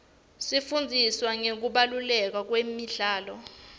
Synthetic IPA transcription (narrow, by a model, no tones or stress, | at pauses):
sifund͡zʱiswaŋek̬uɓalulɛk̬wak̬wemiɮaːlɔ